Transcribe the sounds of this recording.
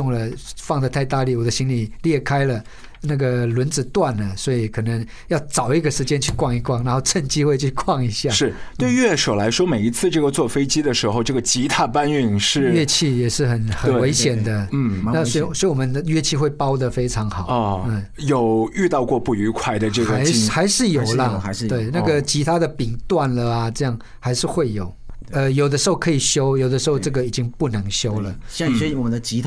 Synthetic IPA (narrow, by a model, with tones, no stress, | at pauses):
ʊ˥˩ŋlə˩fɑ˥˧ŋd̪ə˧t̪ʰa˥˧ɪt̪a˥˧li˥˩wɔ˨˩d̪ə˦ɕi˥nli˨˩ljɛ˥˩kʰa˥ɪlə˨ | na˥˩ɡə˩lwə˧˥nt͡sɹ̩˨˩t̪wa˥˩nə˩swɔ˧˥i˨˩kʰɤ˨˩nə˧˥ŋ | jɑ˥˩ʊt͡sɑ˨˩ʊi˥˩ɡə˩ʂɻ̩˧˥t͡ɕjɛ˥nt͡ɕʰy˥˧kwɑ˥˧ŋi˧˥kwɑ˥˩ŋna˧˥nxo˥˧ʊʈ͡ʂə˥˧nt͡ɕi˥xwe˥˧ɪt͡ɕʰy˥˧kʰwɑ˥˩ŋi˧˥ɕja˥˩ʂɻ̩˥˩t̪we˥˧ɪɥɛ˥˩ʂo˨˩ʊla˧˥ɪʂwɔ˥me˨˩ɪi˧˥t͡sʰɹ̩˥˧ʈ͡ʂɤ˥˩ɡə˩t͡swɔ˥˩fe˥ɪt͡ɕi˥d̪ə˨ʂɻ̩˧˥xo˥˧ʊʈ͡ʂɤ˥˩ɡə˩t͡ɕi˧˥t̪ʰa˥˩pa˥ny˥˧˩ŋʂɻ̩˥˧ɥɛ˥˧t͡ɕʰi˥˩jɛ˨˩ʂɻ̩˥˩xə˨˩˦nxə˨n˧we˧˥ɪɕjɛ˨˩nd̪ə˦˥n˧a˥˨sɔ˥i˨swɔ˧˥i˨˩wɔ˨mə˦nd̪ə˧ɥɛ˥˧t͡ɕʰi˥˧xwe˥˩ɪpɑ˦ʊd̪ə˨fe˥ɪʈ͡ʂʰɑ˧˥ŋxɑ˨˩˦ɔ˧˩˥ | jo˨˩ʊy˥˧t̪ɑ˥˧ʊkwɔ˥˧pu˥˩y˧˥kʰwa˥˩ɪd̪ə˨ʈ͡ʂɤ˥˩ɡə˨˧˥ɪxa˧˥ɪʂɻ̩˥˩jo˨˩ʊlə˦˧˥we˥˩ɪna˥ɡə˨t͡ɕʰi˧˥t̪ʰa˥d̪ə˨pi˨˩ŋt̪wa˥˨nlə˨a˩ʈ͡ʂɤ˥˧jɑ˥˩ŋ | xa˧˥ɪʂɻ̩˥˧xwe˥˩ɪjo˨˩ʊə˧jo˨˩ʊd̪ə˦ʂ̩˧xo˥˩ʊkʰɤ˧˥i˨˩ɕjo˥ʊjo˨˩ʊd̪əʂɻ̩˧˥xo˥˧ʈ͡ʂɤ˥˩ɡə˨i˨˩t͡ɕi˦˥ŋpu˥˩nə˧˥ŋɕjo˥ʊlə˨˥wɔ˨˩ə˦nd̪ə˧t͡ɕi˧˥